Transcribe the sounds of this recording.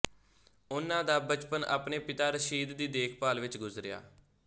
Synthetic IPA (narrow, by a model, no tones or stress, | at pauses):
ʊnːãːd̪aːbət͡ʃpəna̰ːpneːpɪt̪aːɾəʃiːd̪d̪iːd̪eːkʰpaːlʋɪt͡ʃɡʊzɾɪja̰ː